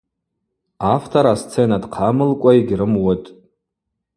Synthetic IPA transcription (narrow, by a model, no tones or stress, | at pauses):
aftʰaɾast͡sʰenadqʰamɨlkʷʼaiɡʲrɨmwʊtʼ